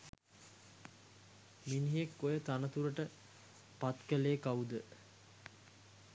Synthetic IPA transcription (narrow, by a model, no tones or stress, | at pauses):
miniɦekːojət̪anət̪uɾəʈə | pat̪kəleːkaud̪ə